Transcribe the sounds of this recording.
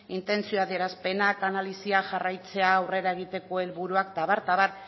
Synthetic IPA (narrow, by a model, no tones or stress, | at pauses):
int̪e̞nt͡sioaðie̞ɾaspe̞nakanalisiaʝarajt͡se̞aːwre̞ɾae̞ɣ̞it̪e̞ko̞e̞lβuɾuakt̪aβaɾt̪aβaɾ